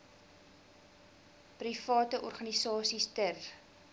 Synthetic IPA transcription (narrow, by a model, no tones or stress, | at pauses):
prifɑːtəʔɔrχɐnisɑːsistər